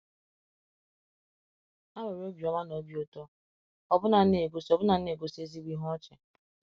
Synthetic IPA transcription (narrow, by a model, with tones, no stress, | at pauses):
a˦we˨ɾo˦bi˨ɔ˦ma˦no˨˦bjo˦tɔ˦ | ɔ˨bʊ˦na˨˦ne˨ɡo˦sɔ˨bʊ˦na˨˦e˨ɡo˦se˦zi˦ɡʷi˦ɦɔ˦t͡ʃɛ˨